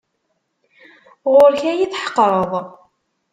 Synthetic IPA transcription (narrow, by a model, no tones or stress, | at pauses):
ʁʊɾçæjiθħə̥qːɾˤəðˤ